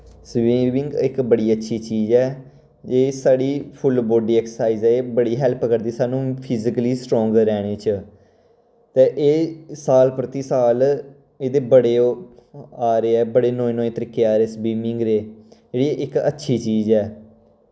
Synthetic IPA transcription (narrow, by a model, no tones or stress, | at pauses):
sʋiːmɪ̃ŋɡɪkbəɽiːətːʃʰiːt͡ʃiːzɛː | d͡ʒeːsaːɽiːpʰʊlboːɖiːɛːksəsaːiːzɛːeːbəɽiːɦɛlpkəɾd̪iːsaːnũːpʰɪzɪkəliːsʈɾɔ̃ːŋɡəɾɛːɽ̃eːt͡ʃ | t̪eːʔeːsaːlpɾət̪iːsaːl | eːd̪eːbəɽeː | aːɾeːɛːbəɽeːnoːeːnõːẽːt̪əɾiːkːeːaːɾeːsbiːmɪ̃ŋɡɾeːd͡ʒeːɽiːʔɪkə̰tːʃʰiːt͡ʃiːzɛː